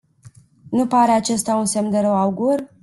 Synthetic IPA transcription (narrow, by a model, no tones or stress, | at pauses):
nupaɾeat͡ʃe̞st̪aunse̞md̪eɾəwauɡur